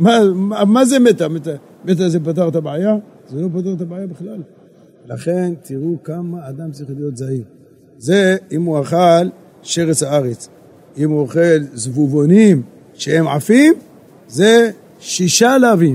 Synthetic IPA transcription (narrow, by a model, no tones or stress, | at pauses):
mamamazemet̪amet̪a | met̪̬azepat̪̬aʁt̪abʕaja | zelo̞p̬at̪̬aʁt̪abʕajabeχlal | laχe̞nt̪iʁukamaːd̪amt͡siχlijo̞t̪zai | zeimuaχal | ʃeʁet͡shaaʁet͡s | imuoχelzvuvonim | ʃehe̞mʕafim | ze | ʃiʃalaavim